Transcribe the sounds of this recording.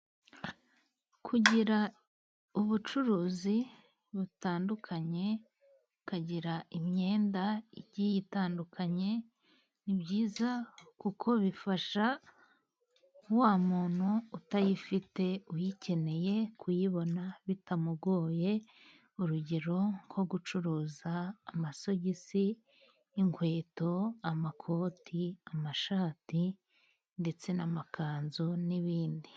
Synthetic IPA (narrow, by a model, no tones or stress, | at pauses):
kʰuɟiɾa | uβut͡ʃuɾuːzi | βutaːndukʰaɲe̞ | kaɟiɾaʔimɲe̞ːndaiɟijitaːndukʰaɲe̞ | nibɟjiːzakukʰo̞βifaʃa | waːmuːn̥huːtajifite̞ujicʰe̞ne̞je̞kʰujiβo̞naβitamubɡo̞ːje̞ | uɾuɟe̞ɾo̞ŋɡʰo̞ɡut͡ʃuɾuːzaːmaso̞ɟisiː | ŋkwe̞ːto̞amakʰo̞ːtʰiamaʃaːti | nde̞t͡se̞namakaːnzuniβiːndi